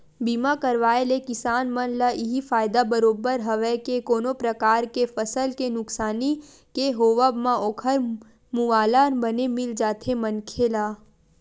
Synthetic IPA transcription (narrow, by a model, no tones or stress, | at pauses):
biːmakəɾʋaːelekɪsaːnmənlaɪɦifaːjd̪abəɾoːbəɾɦɐʋɛkekoːnopɾəkaːɾkefəsəlkenʊksaːni | keɦoːʋəbmãoːkʰəɾ | muʋaːlaːnbənemɪld͡ʒaːt̪ʰemɐnkʰelaː